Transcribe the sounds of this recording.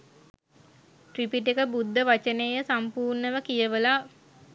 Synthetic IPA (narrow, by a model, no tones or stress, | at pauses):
ʈripiʈ̬ekəbud̪ʱːəʋat͡ʃənejəsampuːrnəʋəkijəʋəla